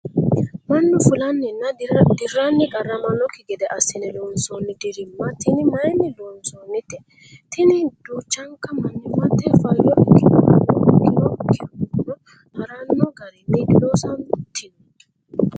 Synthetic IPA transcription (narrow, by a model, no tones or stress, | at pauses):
mɐnːʊfʊlɐnːɛnːɐd̪ɪrːanːɪkʼɐrːɐmɐnɔkːɪɡɛd̪ɛʔɐsːɪnɛloːnsɔnːɪd̪ɪɾɪmːɐt̪ɪnɪmɐjnɪloːnsonːɪt̪ɛ | t̪ɪnɪd̪̥uːt͡ʃːɐŋkɐmɐnːɪmɐt̪ːɛfɐlɔʔɪkːɪnɔʔlɔʔɪkːɪnɔkːɪkʊnɔ | ʔɐɾɐnːɔɡɐɾɪmiɡɪloːsɐnt̪ːɪn